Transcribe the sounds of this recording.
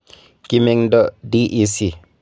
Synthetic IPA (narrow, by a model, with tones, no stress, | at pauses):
ki˦me˨ŋdo˦di˦ʔi˨si˨